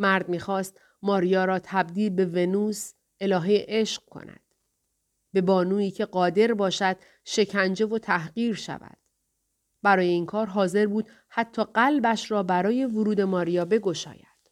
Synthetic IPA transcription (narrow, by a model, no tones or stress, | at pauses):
mæɾd̪miːxɒːst̪ | mɒːɾijɒːɾɒːt̪ʰæbd̪iːlbe̞ve̞nuːs | e̞lɒːɦejʔe̞ʃq̚kʰo̞̰næ̰d̪̥ | be̞bɒːnuːiːcʰe̞ɢɒːd̪e̞ɾbɒːʃæd̪̥ | ʃe̞cʰænd͡ʒe̞vo̞t̪ʰæɦɢiːɾʃæ̰væ̰d̪̥ | bæɾɒːje̞iːnkʰɒːɾɦɒːze̞ɾbuːd̪̥ | hæt̪ʰːɒːɢælbæʃɾɒːbæɾɒːje̞voɾuːd̪e̞mɒːɾijɒːbe̞ɡo̞ʃɒ̰ːjæ̰d̪̥